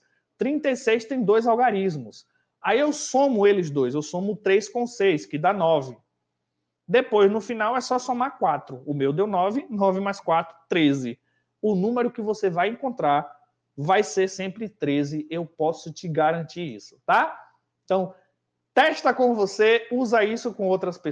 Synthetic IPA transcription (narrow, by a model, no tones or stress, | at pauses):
t̪ɾĩnt̪ejsejst̪ẽj̃d̪ojzawɡaɾizmʊs | aiewsõmʊelɪzd̪ojzewsõmʊt̪ɾejskõsejskɪd̪anɔvɪ | d̪epojznʊfinawɛsɔsomaɾkwat̪ɾʊʊmewd̪ewnɔvɪnɔvɪmajskwat̪ɾʊt̪ɾezɪ | ʊnũmeɾʊkɪvosevajẽkõnt̪ɾaɾ | vajseɾsẽmpɾɪt̪ɾezɪewpɔsʊt͡ʃɪɡaɾɐ̃nt͡ʃiɾḭsʊ̥t̪a | ẽt̪ɐ̃w̃ | t̪ɛʃt̪ɐkõmʊvoseuzɐisʊkõowt̪ɾɐspe